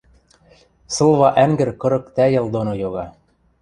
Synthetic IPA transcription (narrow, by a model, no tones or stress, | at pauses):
sɤ̆lˠβɑʔæŋɡɘ̆ɾkɤ̆ɾɤ̆kt̪æjɤ̆lˠd̪onojoɣɑ